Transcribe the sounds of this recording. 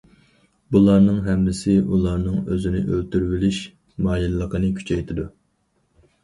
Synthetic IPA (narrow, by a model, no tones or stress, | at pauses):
bulˠɑɾnɨŋɦɛmːɪsɪʔulˠɑɾnɨŋøzɪnɪʔølt̪yɾwɪliʃ | mɑːjilːəqʰənɨkʲʰy̥t͡ʃʰɛjt̪ʰɪd̪u